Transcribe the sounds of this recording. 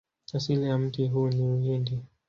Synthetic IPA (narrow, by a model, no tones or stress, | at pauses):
asilijam̩tiɦuːniujindi